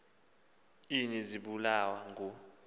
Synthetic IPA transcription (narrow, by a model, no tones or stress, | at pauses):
iniziɓulawaŋu